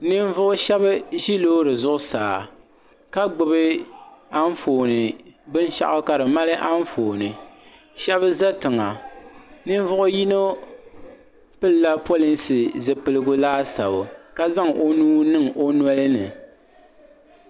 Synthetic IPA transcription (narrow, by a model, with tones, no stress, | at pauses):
nɨ˦ɱ˦vʊ˦ʔʊ˦ʃɛ˦βɨ˦ʒi˦loː˦ɾɨ˨zʊ˦ʔʊ˦saː˨ | ka˦ɡ͡bɨ˦bɨ˦a˦n˦foː˨nɨ˨bɨ˦n˦ʃa̰˦ʔʊ˦ka˨ɾɨ˨ma˦lɨ˦ʔa˦n˦foː˨nɨ˨ | ʃɛ˦βɨ˦za˦tɨ˨ŋa˨ | nɨ˦n˦vʊ˦ʔʊ˦ji˦no˦ | pɨ˦lla˦po˦li˦nsɨ˨zɨ˨pɨ˦lɨ˦ɡʊ˦laː˦sa̰˨bʊ˨ka˦za˦ŋʔo˦nuː˦nɨ˦ŋʔo˦nwɔ˦lɨ˦nɨ̰˨